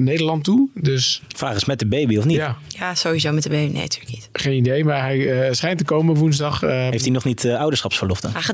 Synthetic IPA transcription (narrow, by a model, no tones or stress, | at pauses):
nejdəlɑntudøsfraːχəsmɛt̚dəbejbiɔfnitjasowizowmɛt̚dəbebinḛntʰy̥ləknitχejnidejmaːɹɦɛjsχɛjntəkowmənʋunzdɑχɦeftinɔχnitɔwdəsχɑpsfəɹlɔftə̰na